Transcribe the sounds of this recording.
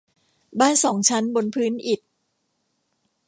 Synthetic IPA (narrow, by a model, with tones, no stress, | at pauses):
baː˥˩nsɔː˩˦ŋt͡ɕʰa˦˥nbo˧npʰɯː˦˥nʔi˨˩t̪̚